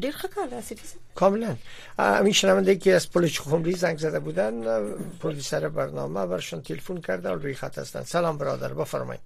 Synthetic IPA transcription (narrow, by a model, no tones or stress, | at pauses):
ɖeɾxəkʰɑld̪sifisakʰɒmɪlan | a̰miʃɪnavaɪnd̪aikeazpolet͡ʃʊxʊmɾizaŋɡzad̪abud̪anpɾod̪usaɾɪbaɾnɒ̰mabaɾɪʃɔnt̪ʰelefunkʰaɾd̪a̰lɾujixa̰t̪ha̰st̪a̰nsalɒmbɪɾɒ̰d̪a̰ɾbɪfaɾmɒ̰jḭn